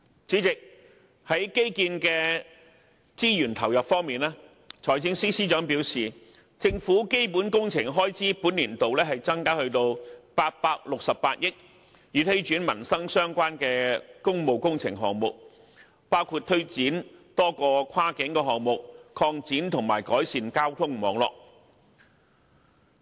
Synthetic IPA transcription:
t͡siː˨˥t͡sɪ˨k̚ | hɐ˨˥jke˥jkiː˧nkɛː˧ | t͡siː˥jyː˨˩nt̪ʰɐ˨˩wjɐ˨pfɔː˥ŋmiː˨naː˥ | t͡ʃʰɔː˨˩jt͡sɪ˥ŋsiː˥siː˥t͡ʃœː˨˥ŋpi˨˥wsiː˨ | t͡sɪ˧ŋfuː˨˥ke˥jpu˨˥nkʊ˥ŋt͡sʰɪ˨˩ŋɦɔː˥jt͡siː˨˥puː˨˥nliː˨˩nt̪o˨wlɛː˥hɐ˨jt͡sɐ˥ŋkaː˥hɵ˧ɥt̪o˧wpaː˧t̚paː˧k̚lʊ˨k̚sɐ˨pːaː˧t̚jɪ˥k̚ | jyː˨˧t̪ʰe˨˥jt͡ʃyː˨˥nmɐ˨˩nsɐ˥ŋsœː˥ŋkʷaː˥nkɛː˧kʊ˥ŋmo˨wkʊ˥ŋt͡sʰɪ˨˩ŋɦɔː˨ŋmʊ˨k̚ | paː˥wkʰuː˧t̚t̪ʰɵ˥ɥt͡siː˨˥nt̪ɔː˥kɔː˧kʷʰwaː˥kɪ˨˥ŋkɛː˧ɦɔː˨ŋmʊ˨k̚kʰɔː˧ŋt͡siː˨˥nt̪ʰʊ˨˩ŋmaː˨˩jkɔː˨˥jsiː˨nkaː˥wt̪ʰʊ˥ŋmɔː˨˧ŋlɔ̰ː˨k̚

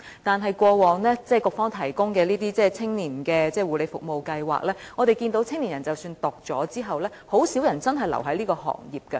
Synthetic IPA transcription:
t̪aː˨nɦɐ˨jkʷɔː˧wɔː˨ŋlɛː˥t͡sɛː˥˩kʊ˨˧k̚fɔː˥ŋt̪ʰɐ˨˩jkʊ˥ŋkɛː˧liː˥t̪iː˥t͡sɛː˥˩t͡sʰɪ˥ŋniː˨˩nkɛː˧t͡sɛː˥wuː˨le˨˧jfʊ˨k̚mo˨˧wkɐ˧jwa̰ː˨k̚lɛː˥ŋɔː˨˧t̪e˨jkiː˧nt̪o˨˥wt͡sʰɪ˥ŋni˨˩njɐ˨˩nt͡sɐ˨wsyː˧nt̪ʊ˨k̚t͡sɔ̰ː˨˥t͡siː˥ɦɐ˨wlɛː˥ho˨˥wsi˨˥wjɐ˨˩nt͡sɐ˥nɦɐ˨jlɐ̰˨˩wɦɐ˨˥jliː˥kɔː˧ɦɔ̰ː˨˩ŋjiː˨p̚kɐ˧

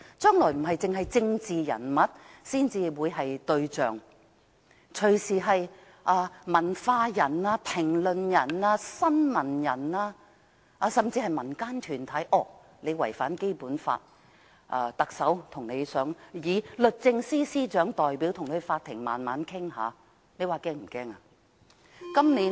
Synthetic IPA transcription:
t͡ʃœː˥ŋlɔː˨˩jm̩˨˩ɦɐ˨jt͡sɪ˨ŋɦɐ˨jt͡sɪ˧ŋt͡siː˨jɐ̰˨˩nmɐ˨t̚siː˥nt͡siː˧wuː˨˧jɦɐ˨jt̪ɵ˧ɥt͡sœ̰ː˨ŋ | t͡ʃʰɵ˨˩ɥsiː˨˩ɦɐ˨j | ʔaː˧mɐ˨˩nfaː˧jɐ˨˩naː˧pʰɪ˨˩ŋlɵ˨njɐ˨˩naː˧sɐ˥nmɐ˨˩njɐ˨˩naː˧ | ʔaː˧sɐ˨mt͡siː˧hɐ˨jmɐ˨˩nkaː˥nt̪ʰyː˨˩nt̪ʰɐ˨˥jʔɔː˨˩ | ne˨˧jwɐ˨˩jfaː˨˥nke˥jpuː˨˥nfa̰ː˧t̚ | ʔa̰ː˧t̪ɐ˨k̚sɐ˨˥wt̪ʰʊ˨˩ŋne˨˧jsœː˨˥ŋjiː˨˧lɵ˨t̚t͡sɪ˧ŋsiː˥siː˥t͡ʃœː˨˥ŋt̪ɔː˨jpi˨˥wt̪ʰʊ˨˩ŋk̪ʰfaː˧t̪ʰːɪ˨˩ŋma̰ː˨nmaː˨˧˥nkʰɪ˥ŋɦa̰ː˨˧ | ne˨˧jwaː˨˧kɛː˥ŋm̩˨˩kɛː˥ŋa˧ | kɐ˥mliː˨˥

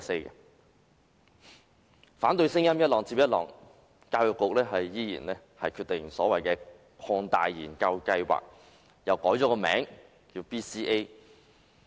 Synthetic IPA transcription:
se˧˥jkɛ˧ | faː˨˥nt̪ɵ˧ɥsɪ˥ŋjɐ˥mjɐ˥t̚lɔː˨˩ŋt͡siː˧p̚jɐ˥t̚lɔ̰ː˨˩ŋ | kaː˧wjɔ˨kːʊ˨k̚lɛː˥ɦɐ˨jjiː˥jiː˨˩nlɛː˥ | hɐ˨jkʰyː˧t̚t̪eɪ˨˩ŋsɔ̰ː˨˥wɐ˨jkɛː˧ | kʰɔː˧ŋt̪a̰ː˨jːiː˨˩nkɐ˧wkɐ˧jwa̰ː˨k̚ | jɐ˨˩wkɔː˨˥jt͡ʃɔː˨˥kɔː˧mɛ̰ː˨˥ŋ | jiː˧wpiː˥siː˥ʔe˥

